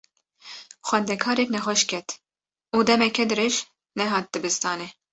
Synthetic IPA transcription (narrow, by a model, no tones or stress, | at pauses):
xwɛnd̪ɛkʰɑːɾɛknɛxʷɛʃkʰɛt̪ | uːd̪ɛmɛkɛd̪ɨɾeːʒ | nɛɦɑːt̪̚d̪ɨbɨst̪ɑːnɛ